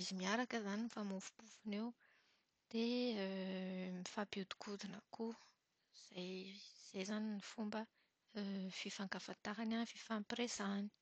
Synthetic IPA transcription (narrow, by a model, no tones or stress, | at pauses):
izimiaɾakəzaniifamufu̥b̥ufunew | d̪̥e | mifabud̪u̥kʰud̪inaku | z̥ajz̥ejzaninifumbə | fifaŋkafat̪aɦananfifampresani̥